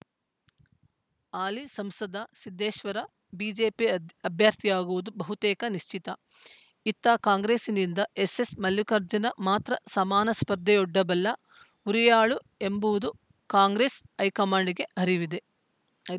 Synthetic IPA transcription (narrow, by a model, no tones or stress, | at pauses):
aːlisɐmsɐd̪ʱɐsid̪ʱːeːʃʋɐɾɐ | biːd͡ʒeːpiɐbʱjaːɾt̪ʰijaːɡuʋud̪ubɐɦut̪ɛːkɐniʃt͡ʃit̪ɐ | it̪ːɐkaːŋɡɾeːsinind̪ɐesesmɐljukɐɾd͡ʒɐnɐmaːt̪ɾɐsɐmaːnɐspɐɾd̪ʱːɛjɔɖːɐbɐlːɐ | uɾijaːɭu | e̞mbuʋud̪u | kaːŋɡɾeːsɐjkɐmaːɳɖiɡe̞ɦɐɾiʋid̪e